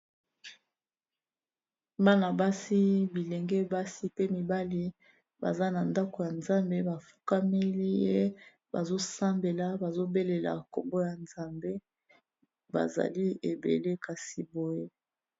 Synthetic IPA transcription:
ba˦na˨ba˦si˦bi˨le˨ŋɡɛ˦ba˦si˦pe˦mi˨ba˦li˦ | ba̰˨za˦na˨nda˦ko˨ja˨nza˦mbe˦ba˨fu̥˦ka˦mi˦li˦je˦ | ba˨zo˦sa˦mbe˨la˨ba˨zo˦be˦le˨la̰˨ko̰˨mbo˦ja˨nza˨mbe˦ | ba̰˨za̰˨li˦e˨bḛ˨le˦ka˨si˨bo˨je˦

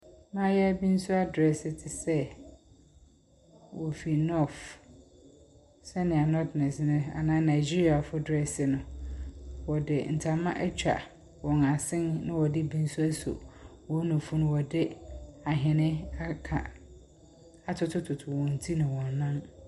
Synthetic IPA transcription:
mã˦jɛ˦æ˦bi˦n̩˦sʊ˦a˦dɾɛ˨sɪ˨tʰɪ˨sɛ˦ | wɔ˨fi˨nɔ˦˨f | sɛ˦nɪ̃˨a˨nɔ˦dnɛ̃˨snʊ̃˦a̰˨nã˦nã˨ɪ˨d͡ʑi˦ɾi˨a˨fʊ˦dɾɛ˨sɪ˨nʊ̃˨ | wɔ˨dɪ˨n̩˨tʰa˨mã̰˦ʔɛ˦t͡ɕᶣa̰˨ | wɔ̃˨na˨sɪ̃˦nnɪ̃˦wɔ˨dɪ˦bĩ˦n̩˦sʊ˦æ˦so̰˨ | wɔ̃˨˦nʊ̃˨fʊ˦nʊ̃˦wɔ˨dɪ˦a˨ɦɛ̃˨nɪ̃˦a˦kʰã̰˨ | a˨tʰʊ˦tʰʊ˦tʰʊ˨tʰʊ˨wɔ̃˨n̩˨tʰi˦nʊ̃˨wɔ̃˨nː˨ã˦n

